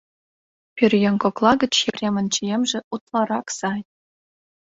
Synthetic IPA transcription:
pʲirʲjɤ̆ŋkŏklˠɑɡɤ̆t͡ɕːepʲrʲemʲɘ̆nt͡ɕijemʲʐɘ̆ʔut̪lˠɑɾɑksɑj

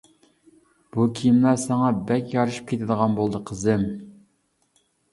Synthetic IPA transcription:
b̥ukʲʰijimlˠɑsɑŋɑbɛkʲjɑɾɨʃɨ̥p̚kʰʲet̪ʰɪd̪əʁɑnbolˠd̪əqʰəzɨm

